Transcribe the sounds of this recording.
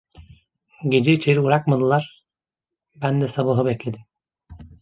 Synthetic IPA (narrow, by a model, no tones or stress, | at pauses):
ɟe̞d͡ʒɛit͡ʃʰe̞ɾiuɾakmad̪ɯlˠaɾ̥ | bænd̪ɛsabaɦɯbɛclʲe̞d̪im